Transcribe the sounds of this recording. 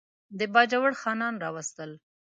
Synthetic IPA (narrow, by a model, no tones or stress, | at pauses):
d̪əbɑd͡ʒawəɽxɑnɑnɾɑwast̪əl